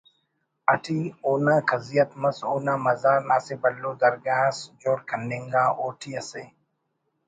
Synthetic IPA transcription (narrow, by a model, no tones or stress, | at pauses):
ɐʈʰioːnãːkʰɐzijɐt̪mɐsoːnãːmɐzaːɾnaːsibɐlːoːd̪ɐɾɡãːsd͡ʒoːɽkʰɐnɖẽŋɡãːʔoːʈʰiːɐseː